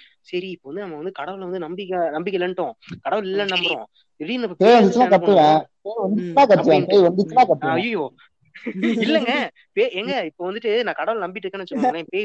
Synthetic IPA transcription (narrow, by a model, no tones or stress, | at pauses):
sɐɾiɪpːoːʋɐnd̪ɯnɐmːɐʋɐnd̪ɯkɐɽɐʋɐlʋɐnd̪ɯnɐmbɪkːnɐmbɪk̬ʲːɛɪlːɐɳʈːõːkɐɽɐʋɐlɪlːɐ̃nɐmbɯɾõ̰ː | ɪɾɪnd̪ɐpeːjʋɐnd̪ɯt͡ʃːɯmãːkɐʈ̪ːɯʋɛ̃ːpeːjʋɐnd̪ɯt͡ʃːɯmaːkɐt͡ʃːɯʋɛ̃ːpeːjʋɐnd̪ɯt͡ʃːɯmaːkɐʈ̪ːɯɐjɐjoː | ɪlːɛŋɡɐ | peːɛŋɡɐɪpːoːʋɐnd̪ɯʈːɯnãːkɐɽɐʋɐlnɐmbɪʈːɾɯkːẽːnɯt͡ʃːãpeː